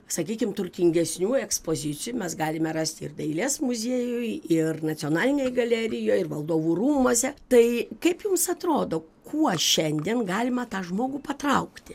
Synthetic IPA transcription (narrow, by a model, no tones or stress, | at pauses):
sɐkʲiːkʲɪmt̪ʊrʲt̪ʲɪŋʲɡʲɛsʲnʲuːɛkspoːzʲɪt͡s̪ʲɪjumʲɛsɡɑːlʲɪmʲɛɾɑːsʲt̪ʲɪ̰rd̪ɐɪlʲeːsmʊzʲeːjʊɪɪrnɐt͡s̪ʲɪoːnɑːlʲɪnʲeːjɡɐlʲæːɾʲɪjoːjɪrʋɐlˠd̪oːʋuːruːmoɔsʲɛt̪ɐɪkɐɪpjʊmsɐt̪ɾoːd̪oː | kʰuɔʃʲɛnʲd̪ʲiɛnɡɑːlʲɪmɐt̪ɑːʒmoːɡupɐt̪rɐʊkt̪ʲɪ